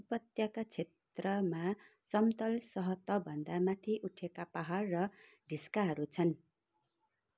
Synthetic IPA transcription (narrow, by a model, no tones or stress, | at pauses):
upʌt̪jakat͡sʰet̪rʌma | sʌmt̪ʌlsʌɦʌt̪ʌbʱʌnd̪amat̪ʰiʔuʈʰekapaɦarːʌ | ɖʱiskaɦʌɾut͡sʰʌn